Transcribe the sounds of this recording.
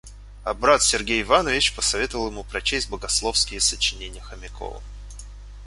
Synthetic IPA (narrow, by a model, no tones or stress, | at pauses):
ɐbɾat̪sʲɪrɡʲejɪvanəvʲɪt͡ɕpəsɐvʲet̪əvəlˠjɪmupɾɐt͡ɕesʲt̚ʲbəɡɐslˠo̞fskʲɪjəsət͡ɕɪnʲenʲɪjəxəmʲɪko̰lˠə̰